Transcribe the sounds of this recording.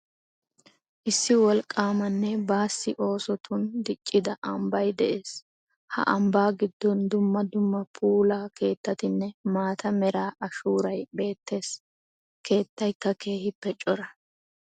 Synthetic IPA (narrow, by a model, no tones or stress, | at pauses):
ʔɪsːɪwɔlkʼːaːmɐnːɛbaːsːɪʔo̞ːsɔt̪ʰʊnd̪ɪt͡ʃʼːɪd̪ɐʔɐmbɐjd̪ɛʔe̞ːs | hɐ̰ʔɐmbaːɡɪd̪ːɔnd̪ʊmːɐd̪ʊmːɐpʰuːlaːke̞ːt̪ːɐt̪ɪnːɛmaːt̪ɐmɛɾaːɐʃuːɾɐjbe̞ːt̪ːe̞ːs | ke̞ːt̪ːɐjkːɐke̞ːhɪpːɛt͡ʃʼːɔɾɐ